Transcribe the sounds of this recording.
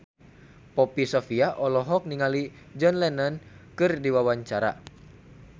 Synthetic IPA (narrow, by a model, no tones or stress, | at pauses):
pɔpisɔfiaʔɔlɔɦɔk̚niŋali | d͡ʒɔnlɛnənkɨrdiwawaɲt͡ʃaɾa̰